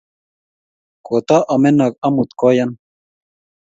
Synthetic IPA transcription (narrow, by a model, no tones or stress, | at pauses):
kot̪aʔɐmenakɐmut̪kojan